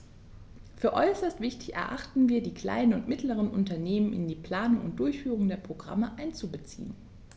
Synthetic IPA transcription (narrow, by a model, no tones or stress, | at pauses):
fyːɐʔɔʏsɐstv̥ɪçtɪ̥çɛ̰ɐʔa̰χtn̩viːɐdiːkl̥a̰ɪnənʊntmɪtləʁ̞ənʔʊ̰ntɐneːmənɪ̰ndiːpl̥aːnʊŋʊ̰nt̚d̥ʊɐçfyːʁ̞ʊŋdeːɐpʁ̥oɡʁa̰məʔaɪnt͡subət͡sḭːən